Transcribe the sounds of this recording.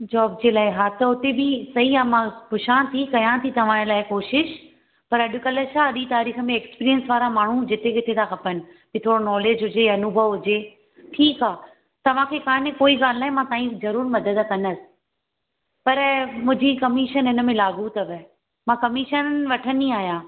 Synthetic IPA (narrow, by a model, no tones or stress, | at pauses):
d͡ʑɔːb̚d͡ʑeːlaːɪɦaːt̪ɐʊt̪ebɪsɐɦiaːmãpʊʃãːt̪ʰikɐjãt̪ʰit̪ɐʋ̤ãːlaːɪkoːʃɪʃ | pɐɾɐɗʊkɐləʃʰaɐɗĩt̪aːɾiːxə̆mẽːkspiːɾiənsʋaːɾamaːɳ̤ũd͡ʑɪt̪ekɪt̪ʰẽt̪ʰakʰɐpənɪ̆pit̪ʰoːɽonɔːleːd͡ʑɦʊd͡ʑeɐnʊbʱəʋɦʊd͡ʑe | ʈʰiːkaː | t̪ɐʋ̤ãkʰekaːnẽkoːiɡaːl̤naːɦĩmãt̪ãːĩzɐɾuːɾmɐd̪əd̪kɐnəsɪ̥ | pɐɾmʊ̃ɦd͡ʑikɐmiʃənɦɪnə̆mẽlaːɡuːt̪əʋə | mãːkɐmɪʃənʋɐʈʰənĩaːɦjãː